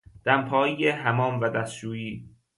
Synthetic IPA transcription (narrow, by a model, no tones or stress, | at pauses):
d̪̥æmpʰɒːjijeɦæmɒːmvæd̪æst̪ʃuːjiː